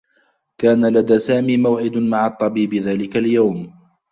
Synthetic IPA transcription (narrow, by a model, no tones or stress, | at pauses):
kaːnalad̪aːsaːmiːmawʕɪd̪maʕɑt̪ˤːɑbiːbɪðaːlɪkaljawm